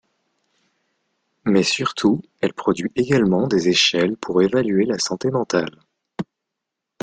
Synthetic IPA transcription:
mɛsyʁt̪ʰu | ɛlpχɔd̪ɥiʔeɡʲalmɑ̃d̪ezeʃɛlpʰuʁevalɥelasɑ̃t̪emɑ̃t̪al

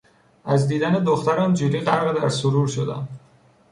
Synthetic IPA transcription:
æzd̪iːd̪æned̪oxt̪ʰæɾɒnd͡ʒiɾiʁaɾʁed̪æɾsuɾuɾʃod̪æ̰n

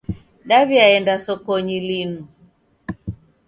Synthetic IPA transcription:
ɗaβiaɛndasɔkɔɲilinu

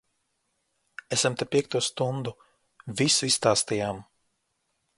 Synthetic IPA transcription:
esamt̪apʲiɛk̚t̪uɔst̪und̪u | visuisst̪aːst̪ijaːm

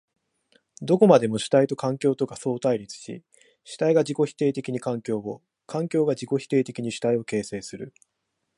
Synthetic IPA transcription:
d̪o̞ko̞mad̪e̞mo̞ɕi̥t̪ait̪o̞kãŋkʲo̞ːt̪o̞kaso̞ːt̪aiɾʲit͡sɨ̥ɕḭ | ɕi̥t̪aiɡad͡ʑiko̞çi̥t̪e̞ːt̪e̞kʲiɲ̟ikãŋkʲo̞ːbo | kʰãŋkʲo̞ːɡad͡ʑiko̞çi̥t̪e̞ːt̪e̞kʲiɲ̟iɕi̥t̪aio̞ke̞ːse̞ːsɨɾɯ̟

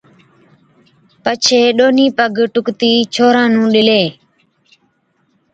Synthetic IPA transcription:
pət͡ʃʰeːɗoːniːpəɡʈʊkt̪iːt͡ʃʰoːɾãːnũːɗɪleː

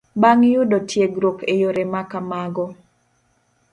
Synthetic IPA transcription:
baŋjʊdɔtʰjeɡɾokejoɾemakamaɡɔ

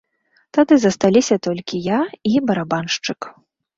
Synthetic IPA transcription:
t̪ad̪ɨzɐst̪alʲisʲɐt̪ɔlʲkʲijaibɐɾabanʂt͡ʂɨk

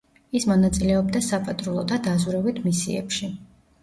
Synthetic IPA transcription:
ismɔnat̪sʼilɛɔbd̪asapʼat̪ʼɾulˠɔd̪ad̪azuɾɛvit̪ʰmisḭɛ̰pʃi

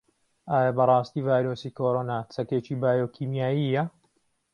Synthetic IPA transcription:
ʔaːjabɐrˤɑːst̪iːvaːjɾoːsiːkʰoːɾonaːt͡sʰɐkeːt͡ʃiːbaːjokʰiːmjaːjijɐ

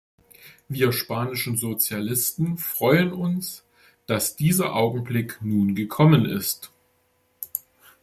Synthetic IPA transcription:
viːɐʃpaːnɪʃn̩zot͡sjalɪstn̩fʁ̥ɔʏənʊns | d̥asd̥iːzɐʔaʊɡŋ̩blɪknuːnɡəkʰɔmənɪ̰st

